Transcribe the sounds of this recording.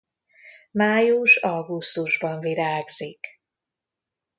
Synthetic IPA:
maːjuʃɒɡust̪uʒbɒɱviɾaːɡz̥ik

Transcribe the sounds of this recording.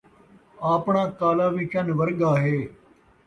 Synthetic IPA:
aːpɳãːkaːlaːʋiːt͡ʃʰənʋəɾɡaːɦeː

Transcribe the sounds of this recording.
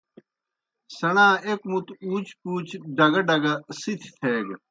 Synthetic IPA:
sɐnãːekmut̪uːt͡ɕkuːt͡ɕɖɐɡɐɖɐɡɐsit̪ʰi̥t̪ʰeːɡ

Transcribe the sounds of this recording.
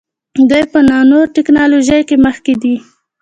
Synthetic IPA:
d̪ujpənɑnoɾʈɪknɑloʒajkeməxked̪i

